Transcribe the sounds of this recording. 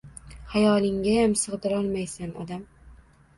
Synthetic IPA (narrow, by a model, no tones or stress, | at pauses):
hajɒlˠɪŋɡʲajamsɨʁd̪ɪɾɒlˠmajsanɒ̰d̪am